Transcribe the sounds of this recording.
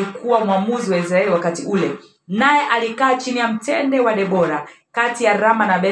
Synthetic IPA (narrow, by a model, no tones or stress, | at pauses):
ikuwamwamuziwaɛzɾaɛlwakatiʔulɛ | najɛʔalikaːt͡ʃinijam̩tɛndɛwaɗɛɓɔɾakatijaɾamanaɓɛ